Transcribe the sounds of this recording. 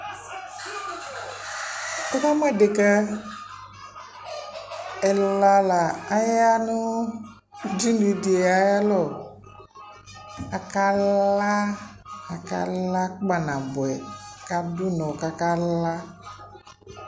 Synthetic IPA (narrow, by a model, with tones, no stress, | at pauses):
o˦ka˦m˦ɛ˦˨de˨ka˦ | ɛ˨la˦la˨a˦ja˦nʊ˦ | d͡ʒi˦nu˨di˨a˨ja˦lɔ˨ | a˨ka˦la˦ | a˨ka̰˦la˦k͡pa˨nã˨bʊ˨ɛ˨ka˦dʊ˦nɔ˨ka˨ka˦la˦